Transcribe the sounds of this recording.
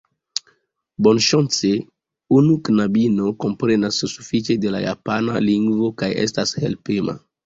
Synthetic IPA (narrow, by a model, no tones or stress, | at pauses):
bonʃont͡se | unuknabino̞ko̞mpɾe̞nasːufit͡ʃe̞de̞la̰ja̰panaliŋɡvo̞kajḛstashḛlpema̰